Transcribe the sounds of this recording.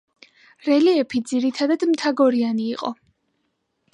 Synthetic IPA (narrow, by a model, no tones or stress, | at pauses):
ɾɛliɛpʰid̪ziɾit̪ʰad̪ad̪mt̪ʰaɡɔɾianiːqʼɔ̰